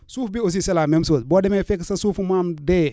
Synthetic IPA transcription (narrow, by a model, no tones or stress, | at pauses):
suːfbios̬iselaːmemsotboːdemefeksɐsuːfumaːmde